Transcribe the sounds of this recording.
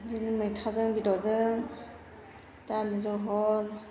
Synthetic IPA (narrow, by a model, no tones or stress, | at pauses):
dinɯmɯjtʰazɯŋbidɔzɯŋ | talizɔɦɔl